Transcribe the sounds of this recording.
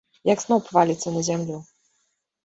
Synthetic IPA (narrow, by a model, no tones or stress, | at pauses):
jaɡz̥nɔwpvalʲit̪sɛnaʑʲɛmlʲu